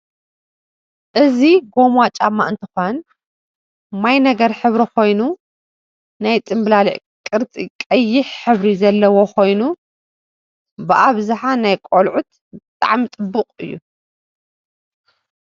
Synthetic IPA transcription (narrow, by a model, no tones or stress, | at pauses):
ʔɨziɡo̞mat͡ʃʼamːaʔɨnt̪ʰɨxon | majnɐɡɐɾħɨβɾikʰo̞jnu | najt͡s̪ʼɨmblalḭʔkʼɨɾt͡s̪ʼikʼɐjːɪħħɨβɾizɐlːɐwokʰo̞jnu | bɨʔaβzaħanajkʼolʕut̪̚ | bɨt̪ʼa̰ʕmit͡s̪ʼɨbːɨqʼɨ̰jːṵ